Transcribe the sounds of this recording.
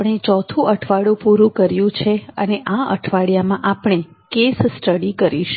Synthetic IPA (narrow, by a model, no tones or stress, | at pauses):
pɳ̃et͡ʃɔt̪ʰũʔəʈʰʋaɽũpuɾũkəɾjũt͡ʃʰeəneʔaə̰ʈʰʋaɽijamãʔapɳ̃e | kessʈəɽikəɾiʃ